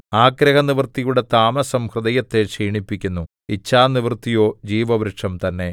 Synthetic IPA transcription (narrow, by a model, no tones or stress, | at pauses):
aːkɾɐhɐniʋrt̪ijuɽet̪aːmɐsɐmhrɨd̪ɐjɐt̪ːe̞ʂiːɳipːikʲːunːu | it͡ɕʰːaːniʋrt̪ːijo̞ːd͡ʑiːʋɐʋɾɨʈʂɐmt̪ɐnːe̞